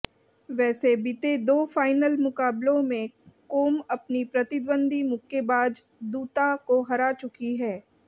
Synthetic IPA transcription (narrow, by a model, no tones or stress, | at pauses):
ʋɛːsebɪt̪ed̪oːfaːɪnəlmʊkaːblõmẽkoːmɐpnipɾɐt̪ɪd̪bə̃nd̪ʱimʊkʰːebaːd͡ʒ | d̪uːt̪akoɦɐɾat͡ʃʊkiɦɛː